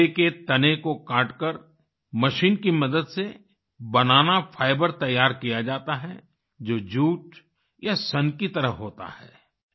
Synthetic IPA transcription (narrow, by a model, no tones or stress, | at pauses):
eket̪ɐnekokaːɾʈkəɾ | mɐʃiːnkimɐd̪əd̪se | bɐnaːnafʰaːɪbəɾt̪ɐjːaːɾkijad͡ʒaːt̪aɦɛ | d͡ʒoːd͡ʒuːʈ | jasɐnkit̪ɐɾəɦoːt̪a̰hɛ̰ː